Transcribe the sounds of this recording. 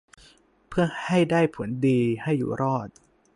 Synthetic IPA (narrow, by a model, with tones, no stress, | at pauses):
pʰɯ˥˩ɐha˥˩jdaː˥˩jpʰu˩˦əndiː˧ha˥˩jːṵː˨˩ɾʔɔː˥˩t̪̚